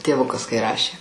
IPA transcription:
tʲeːˈʋʊkɐs kɐɪ ˈrɑːʃʲeː

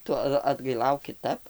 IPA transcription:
ˈtʊ ɐt ɐdɡɐɪˈlˠɐʊk kʲɪˈtɐp

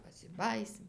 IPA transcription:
pɐsʲɪˈbɑːjiːsʲɪm

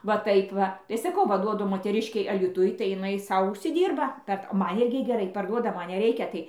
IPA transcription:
ʋɐ ˈtɐɪp ˈʋɐ tɐɪ ˈsɑːkɐʊ ʋɐ ˈduɔdʊ moːtʲɛˈrʲɪʃʲkʲɛɪ ɐlʲiːˈtʊj tɐɪ jɪˈnɐɪ ˈsɐʊ ʊʃʲsʲɪˈdʲiːrbɐ ˈpʲɛrt ˈmɐn ˈɪrʲɡʲɪ ɡʲɛˈrɐɪ pɐrˈduɔdɐ ˈmɐn nʲɛˈrʲɛɪkʲɛ ˈtɐɪ

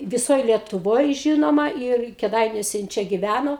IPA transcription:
ʋʲɪˈsoːj lʲiɛtʊˈʋoːj ˈʒʲɪnoːmɐ ɪr kʲɛˈdɐɪnʲuɔsʲɛ jɪn ˈt͡ʃʲɛ ɡʲɪˈʋʲænoː

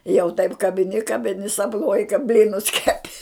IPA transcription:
jɛʊ tɐɪp kɐbʲɪˈnʲɪ kɐbʲɪˈnʲɪ sɐpˈnuɔjɪ kɐ ˈbʲlʲiːnʊs ˈkʲæːˈpʲɪ

